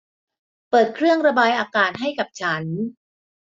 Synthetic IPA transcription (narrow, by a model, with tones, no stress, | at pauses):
pɤː˨˩t̪̚kʰɾɯ˥˩əŋɾa˧baː˧jʔaː˧kaː˨˩t̪̚ɦa˥˩jka˨˩p̚t͡ɕʰa˦˥n